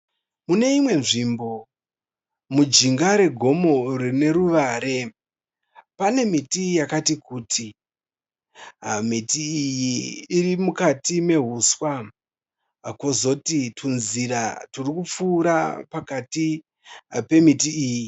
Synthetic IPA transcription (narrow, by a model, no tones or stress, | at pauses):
mune̞imwe̞nʐimbo̞ | mud͡ʒiŋɡaɾe̞ɡʱo̞mo̞rine̞ruʋaɾe̞ | pane̞mitijakatikuːtʰi | ɦamitiːjiːrimukatime̞ɦuswa | kwo̞zo̞titʰunziraturikup͡fuːɾa̰pakati | pe̞mitiiːji